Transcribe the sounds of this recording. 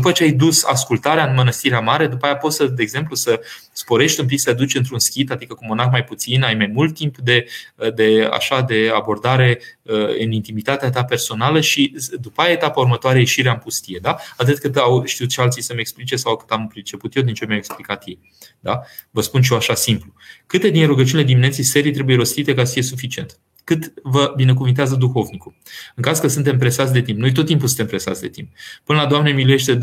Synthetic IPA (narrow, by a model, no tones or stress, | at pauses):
upət͡ʃeajd̪usa̰skult̪aɾeaɨnmənəst̪iɾeamaɾe̞d̪upajapo̞t̪səd̪eːɡze̞mplusəspo̞ɾe̞ʃt̪ʲump̬iksəead̪ut͡ʃɨnt̪ɾunskʲit̪ad̪ikəkumonakmajput̪sinajmajmult̪ːimpd̪e̞əd̪e̞a̰ʃad̪e̞abo̞rd̪aɾe̞əɨ̰nint̪imit̪at̪eat̪̬ape̞rso̞naləʃid̪upajaet̪apəurmət̪oaɾejeʃiɾeaɨnpust̪ije̞d̪aat̪ɨt̪kɨt̪awʃt̪iut̪̚t͡ʃealt̪sijsəme̞ksplit͡ʃesawkɨ̥t̪ampɾit͡ʃe̞put̪jewd̪int͡ʃemʲaweksplikat̪jej | d̪a | vəspunʃ̬ijoaʃasimplukɨt̪e̞d̪inɾuɡət͡ʃunele̞d̪iminet̪sijse̞ɾit̪ɾe̞buje̞ɾo̞st̪it̪e̞kasəfijesufit͡ʃie̞nt̪ | kɨt̪vəbine̞k̬uvɨnt̪eazəd̪uxo̞vniku | ɨŋkazkəsɨnt̪e̞mpɾe̞sat̪sʲd̪e̞t̪impnojt̪ot̪ːimp̬usɨnt̪e̞mpɾe̞sa̰t̪sʲd̪e̞t̪imp̚pɨnəlad̪oamnemiluje̞ʃt̪e̞